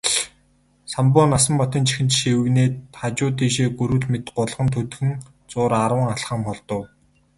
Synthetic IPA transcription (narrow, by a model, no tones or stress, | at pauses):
sampʊːnasə̆mpɔt̪iːnt͡ɕʰi̥xɘ̆nt̪ʃiwɘ̆ɣneːtʰat͡ɕʊːt̪iːʃeːɡuɾŭɮmet̪ɢʊɮʁə̆nt̪ʰɵt̪xɘ̆ŋ | t͡sʊːɾaɾwə̆ŋaɮχə̆mχɔɮt̪ɞ̆w